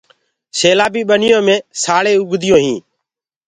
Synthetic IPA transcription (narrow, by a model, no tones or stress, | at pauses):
seːlaːbiːɓənɪjõːmẽːsaːɭeːʊɡd̪ɪjõːɦĩː